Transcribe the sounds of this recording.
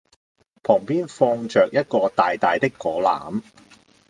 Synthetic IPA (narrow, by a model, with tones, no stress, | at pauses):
pʰɔː˨˩ŋpiː˥nfɔː˧ŋt͡ʃœː˨k̚jɐ˥t̚kɔː˧t̪aː˨jt̪aː˨jt̪ɪ˥kːɔː˨˥la̰ː˨˥m